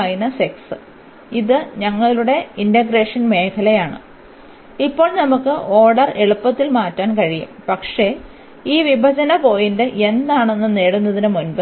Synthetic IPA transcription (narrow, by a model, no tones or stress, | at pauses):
jinɐseksɨ | iðɨɲɐŋːɐɭuɽe̞indɐɡɾe̞ːʂɐnme̞ːkʰɐlɐjaːɳɨ̰ | ipːo̞ːɭnɐmukːɨʔo̞ːɽɐre̞ɭupːɐt̪ːilmaːtːaːnkɐɻijṵmpɐkʂe̞ | iːʋibʱɐd͡ʑɐnɐpo̞ːjindeʔe̞nd̪aːɳe̞nːɨneːɽunːɐðinɨmunbɐ